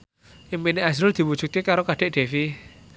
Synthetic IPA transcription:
ʔimpiniazɾʊrd̪̥i̤wu̥ʒ̥ṳt̪̚kekaɾokaɖ̥e̤ʔɖ̥e̤fi

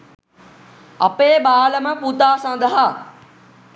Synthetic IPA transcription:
ɐpeːbaːləməput̪aːsɐ̃nd̪əɦa

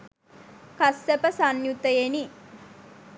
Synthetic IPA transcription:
kasːəpəsanjut̪əjeni

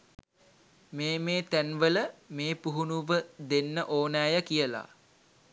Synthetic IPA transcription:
meːmeːt̪ænʋələmeːpuɦunuʋəd̪enːəʔoːnaːjəkijəla̰

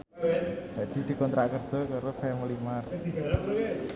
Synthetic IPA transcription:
aʔd̪̥id̪̥i̤kɔnt̪ɾaʔkərd͡ʒ̥ɔ̤kaɾofɛmilimardiɡaɾa

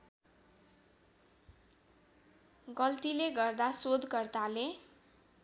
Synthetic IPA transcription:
ɡʌlt̪ileɡʌrd̪asod̪kʌrt̪ale

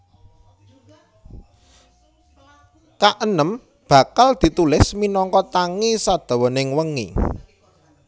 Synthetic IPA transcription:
kaʔənəm | b̥ä̤kald̪̥i̤t̪ulɪsminɔŋkɔt̪aŋisad̪̥a̤wɔnɪŋwəŋḭ

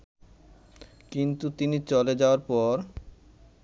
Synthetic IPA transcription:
kint̪ut̪init͡ɕɔled͡ʑaoaɾpɔɾ

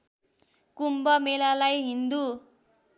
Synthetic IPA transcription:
kumbʌmelalajɦind̪u

